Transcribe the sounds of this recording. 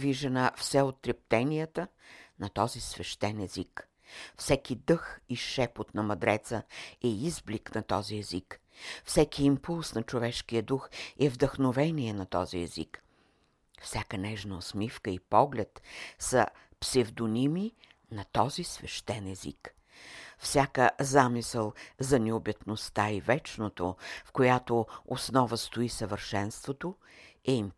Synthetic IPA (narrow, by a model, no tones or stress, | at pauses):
viʒənəfsɛot̪ːɾɛp̚t̪ɛnijət̪ənɐt̪ɔzisvɛʃt̪ɛnɛzik | fsɛkid̪ɤxiʃɛpot̪nɐmɐd̪ɾɛt̪səɛizbliknɐt̪ɔziɛzik | fsɛkiːmpulˠsnɐt͡ʃovɛʃkijəd̪uxɛvd̪əxnovɛniɛnɐt̪ɔ̰ziɛ̰zḭk | fsʲjakənɛʒnəosmifkəipɔɡlʲɛt̪sə̰ | psɛvd̪onimi | nɐt̪ɔzisvɛʃt̪ɛnɛzḭk | fsʲakəzamisəlˠzɐnɛobɛt̪nost̪aivɛt͡ʃnot̪ofkojat̪oosnɔvəst̪oisəvəɾʃɛnst̪vot̪o | ɛim